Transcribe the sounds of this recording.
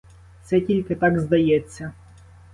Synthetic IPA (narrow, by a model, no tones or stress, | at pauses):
t̪sɛtʲilʲkɐt̪aɡzd̪ɐjɛt̪sʲːɐ